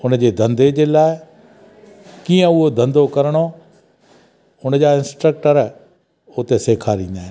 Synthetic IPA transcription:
ʊnd͡ʑeːd̪ʱɐ̃nd̪ed͡ʑeːlaːɪ | kiːə̃ʊɦod̪ʱɐ̃nd̪okɐɾəɽ̃o | ʊnəd͡ʑaːɪ̃nsʈɾək̚ʈəɾ | ʊt̪eseːkʰaːɾĩːnd̪aːɦe

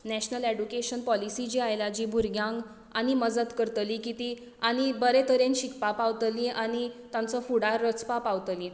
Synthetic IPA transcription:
nɛɕnəleɖukeɕənpɔlisid͡ʑiajlad͡ʑiːbʱuɾɡjãŋɡ | añiməd͡zət̪kəɾt̪likit̪i | añibəɾet̪ʰəɾenɕikpapaʋt̪liʔaɽ̃it̪ãnt͡sɔfuɽaɾːət͡spapaʋt̪li

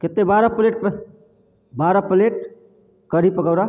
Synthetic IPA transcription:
ket̪ːebaɾəpleʈ̚p | baɾəpəleʈ̚ | kəɾipəkəwɾa

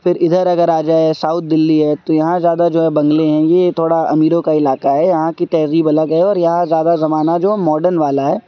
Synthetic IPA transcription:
fɪɾɪd̪ʱəɾɐɡəɾaːd͡ʒaːesaːʊt̪̚ʰd̪ɪlːiɦɛt̪ojɐɦãzjaːd̪ad͡ʒoːɦɛbɐ̃ŋɡleɦɛ̃jet̪ʰoːɽaɐ̰miːɾõkaɪlaːkaɦɛjɐɦãkit̪ɛːɾiːbɐləkɛeɔːɾjɐɦãzjaːd̪azɐmaːnad͡ʒoːmɔːɖəɾnʋaːlaɦɛː

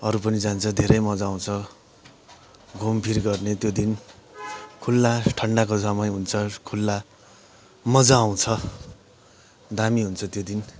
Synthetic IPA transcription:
ʌɾupʌnid͡zant͡sʰʌd̪ʱeɾʌjmʌd͡zaw̃t͡sʰʌ | ɡʱompʰirɡʌrnet̪jod̪in | kʰulːaʈʰʌɳɖakosʌmʌjɦunt͡sʰʌkʰulːa | mʌd͡zaːw̃t͡sʰʌ | d̪amiɦunt͡sʰʌt̪jod̪in

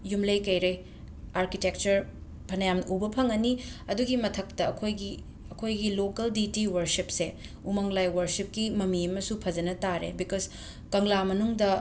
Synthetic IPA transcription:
jumlɐjkɐjɾɐj | aɾkitek̚t͡ʃɐɾ | pʰɐnɐjamʔubɐpʰɐŋɐniɐduɡimɐtʰɐk̚tɐːkʰojɡi | ɐkʰojɡilokɐlditiwɐɾsipse | umɐŋlajwɐɾsip̚kimɐmiɐmɐsupʰɐd͡ʒɐnɐtaɾḛbikos | kɐŋlamɐnuŋdɐ

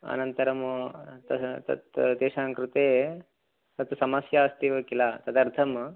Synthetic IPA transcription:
ɐ̰nɐnt̪ɐɾɐmt̪ɐt̪ɐ̰t̪d̪eːʃaːŋkɾut̪eː | t̪ɐt̪sɐmɐsjaːst̪iʋɐkilaːt̪ɐd̪ɐɾt̪ʰɐm

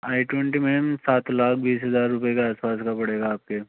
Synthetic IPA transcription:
aːiʈenʈimeːmsaːt̪laːkʰbiːsɦɐzaːɾːʊpjekeaːspaːskapɐɽeːɡaːp̚keː

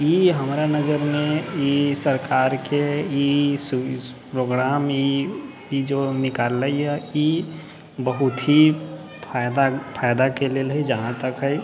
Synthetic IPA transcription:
iɦəmɾanəd͡ʒəɾmẽisəɾkʰaːɾkeispɾoɡɾaːmi | id͡ʒonɪkaːlːəiɛi | bəɦʊt̪ɦi | pad̪apʰaːjd̪akelelɦid͡ʒəɦãt̪əkɦɛi

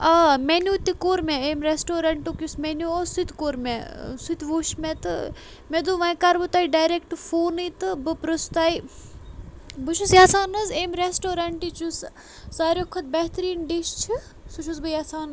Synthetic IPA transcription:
ɐmenʲuːt̪ʲikoːɾmeeːmɾesʈoːɾɐɳʈukʲjusmenuosut̪ʲkoːɾmḛsut̪ʲʋuːʃmet̪ɨ | med̪uːʋɐ̃jkaɾbɨt̪aiɖaːjɾekʈfoːnit̪ɨbɨpɾɨst̪aːi | bɨʃʰusjaːsaːnɐzeːmɾesʈoːɾɐɳʈit͡ʃus | saːɾʲjoːkʰɐt̪̚bɐɦt̪ɾiːnɖiʃt͡ʃʰi | suʃʰuzbɨjaːsaːn

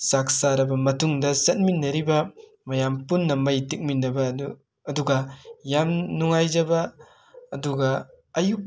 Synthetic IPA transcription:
sak̚saɾɐbɐmɐtuŋdɐsɐt̚minːɐɾibɐ | mɐjampunːɐmɐjtik̚minːɐbɐː | duɡɐjamnuŋajzɐbɐː | duɡɐ | ɐjuk̚

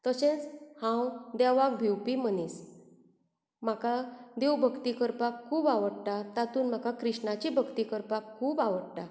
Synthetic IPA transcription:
t̪əsẽt͡shãwd̪aʋak̚bʱiwpimənis | m̤akad̪ewbʱəkt̪ikəɾpakʰːuːbaʋəɽʈ̪at̪at̪uːnm̤akakɾiʂɳat͡ɕibʱəkt̪ikəɾpakʰːuːbaʋəɽʈa

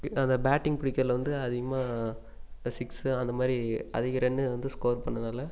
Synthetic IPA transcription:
ɐnd̪ɐbaːʈːɪŋpɪɽɪkːɐːlʋɐnd̪ɯɐðɪɣɐmaː | sɪksɯɐnd̪ɐmaːd̪ɾiɐ̰ðɪɣɐɾɛɳːɯʋɐnd̪ɯskoːɾpɐɳːɐnaːlɐ

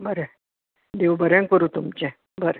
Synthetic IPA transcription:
bəɾɛ | d̪eʋbəɾãŋkəɾuːt̪umt͡ɕẽ | bəɾɛ

